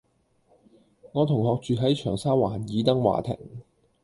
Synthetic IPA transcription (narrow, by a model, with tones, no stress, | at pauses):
ŋɔː˨˧t̪ʰʊ˨˩ŋhɔː˨˧k̚t͡ʃyː˨ɦɐ˨˥jt͡ʃʰœː˨˩ŋsaː˥waː˨˩njiː˨˧t̪ɐ˥ŋwa̰ː˨˩t̪ʰɪ̰˨˩ŋ